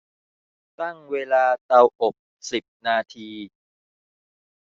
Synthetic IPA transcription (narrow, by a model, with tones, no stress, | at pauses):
t̪a˥˩ŋweː˧laː˧t̪a˧wʔo˨˩k̚ | si˨˩p̚naː˧t̪ʰiː˧